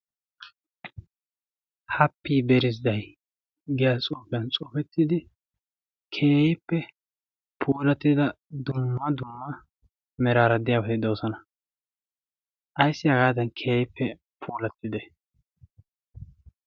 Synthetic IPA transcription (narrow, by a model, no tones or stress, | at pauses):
hɐpːiːbɛɾɪzd̪ɐj | ɡɛjɐt͡sʼoːfjɐnt͡sʼoːfɛt̪ːɪd̪ɪ | kʰeːjɪpːɛ | pʰuːlɐt̪ːɪd̪ɐ | d̪ʊmːɐd̪ʊmːɐ | mɛɾaːɾɐd̪ɪjaːwɔt̪ɪd̪oːsɔnɐ | ʔɐjsːɪɐɡaːd̪ɐnkʰeːjɪpːɛ | pʰuːlɐt̪ːɪd̪ɛ